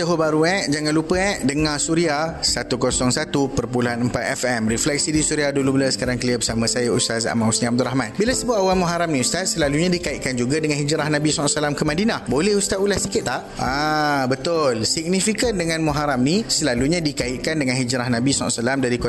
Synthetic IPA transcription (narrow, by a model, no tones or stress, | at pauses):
d͡ʒaɦobaɾuɛʔd͡ʒaŋanlupəɛʔdəŋasuɾiahsat̪ukosɔŋsat̪upərpuluanəmpat̪̚ɛfɛmɾiflɛk̚sidisuɾiahdulubəlasə̥kaɾaŋkəliəbəsamãsajaṵst̪asa̰mãusnĩab̚d̪uɾaɦmãnbilasəbat̚awalmõɦaɾamnĩust̪at̪̚səlaluɲãdikaɪʔ̪̚kand͡ʒuɡadəŋãnɦid͡ʒɾahnãbisɔʔsəlamkəmãdinahbolɛhust̪at̪̚ulahsikɪt̪̚ːaʔʔabət̪ʊlsiɡ̚nifikəndəŋãnmoɦaɾamnisəlaluɲãdikaɪʔ̪̚kandəŋãnɦid͡ʒɾahnãbisɔ̰səlamdaɾiko